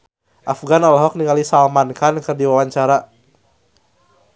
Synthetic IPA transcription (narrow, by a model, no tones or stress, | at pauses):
ʔafɡanalɦɔk̚niŋalisalmankankərdiwawaɲt͡ʃaɾa